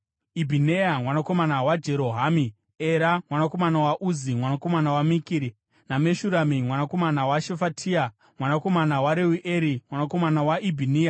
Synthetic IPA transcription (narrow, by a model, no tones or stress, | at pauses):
ibʱinejamwanako̞manawad͡ʒe̞ɾoɦami | e̞ɾamwanako̞manawaʔuzimwanako̞manawamikiɾi | name̞ʃuɾamimwanako̞manawaʃefatʰia | mwanako̞manawaɾewuʔeɾimwanako̞manawaʔibʱiniːja